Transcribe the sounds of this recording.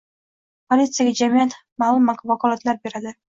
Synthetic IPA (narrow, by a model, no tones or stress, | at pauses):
pʰolʲit̪sɨjaɡʲad͡ʒamijat̪ | maːlˠʊmːakvakɒlˠat̪laɾbe̞ɾad̪ɪ